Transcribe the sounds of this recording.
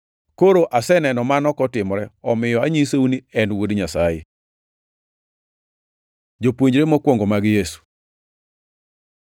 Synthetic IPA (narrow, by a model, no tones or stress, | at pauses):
koɾoʔasɛnɛnɔmanɔkɔtɪmɾɛɔmɪjɔaɲiseuniɛnwodɲasajɪ̰ | d͡ʒopwoɲd͡ʒɾemɔkwɔŋɡomaɡjesu̥